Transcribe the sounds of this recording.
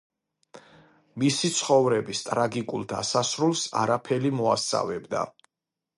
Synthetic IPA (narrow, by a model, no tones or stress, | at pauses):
misit̪sʰχɔvɾɛbist̪ʼɾaɡikʼulˠd̪a̰sasɾulˠsa̰ɾapʰɛɾimɔa̰st̪sʼa̰vɛbd̪a̰